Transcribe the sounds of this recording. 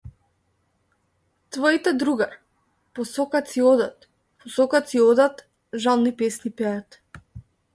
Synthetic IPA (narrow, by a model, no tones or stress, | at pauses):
t̪vɔit̪ɛd̪ɾuɡaɾ | pɔsɔkat̪siɔd̪at̪ | pɔsɔkat̪siɔd̪at̪ | ʒalˠnipɛsnipɛat̪